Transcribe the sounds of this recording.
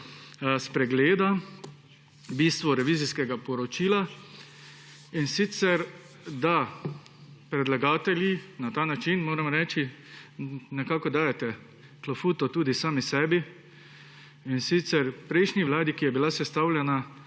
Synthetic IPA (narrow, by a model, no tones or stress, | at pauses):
spɾɛɡleːd̪a | biːst̪ʋɔɾɛʋiːziskɛɡapɔɾɔt͡ʃiːla | insit̪sɛɾ | d̪a | pɾɛd̪laɡaːt̪ɛljinat̪aːnat͡ʃinmoːɾɛmɾɛːt͡ʃi | nɛkaːkɔd̪aːjɛt̪ɛ | klafuːt̪ɔt̪uːd̪isaːmisɛːbi | insit̪sɛɾpɾɛɪʃniʋlaːd̪ikijɛbilasɛst̪awlʲjɛna